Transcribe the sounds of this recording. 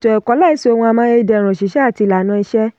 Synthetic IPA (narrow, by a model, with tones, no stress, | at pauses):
to˨ɛ˨kɔ˨˦la˦˨i˦se˦˧o˧wũ˧a˧mãː˦je˧i˧dɛ˧˨ɾ̃ũ˨ʃi˨˦ʃɛ˦a˦˨ti˧˨la˨˦nã˧i˧ʃɛ˦